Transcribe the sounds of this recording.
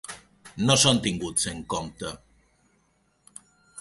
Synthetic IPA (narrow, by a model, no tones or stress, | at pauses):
nosont̪iŋɡut͡seŋkomt̪ə